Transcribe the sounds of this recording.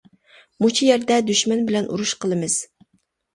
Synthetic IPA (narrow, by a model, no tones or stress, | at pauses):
mut͡ʃʰijɛɾd̪ɛd̪yʃmɛnbɪlɛnʔṵɾuʃqʰəlˠɨmɨz̥